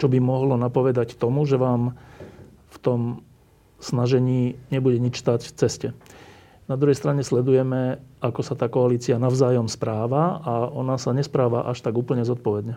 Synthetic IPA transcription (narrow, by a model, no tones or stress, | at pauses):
t͡ʃɔbimɔɦlɔnapɔʋɛd̪act̪ɔmuʒɛʋaːm | ft̪ɔm | snaʒɛɲiːɲɛbuɟɛɲit͡ʃst̪acft͡sɛscɛ | nad̪ɾuɦɛjst̪ɾaɲɛslɛd̪ujɛmɛakɔsat̪aːkɔaliːt͡sianaʊzaːjɔmspɾaːʋaaɔnasaɲɛspɾaːʋaʔaʃt̪aɡuːpl̩ɲɛzɔt̪̚pɔʋɛd̪ɲɛ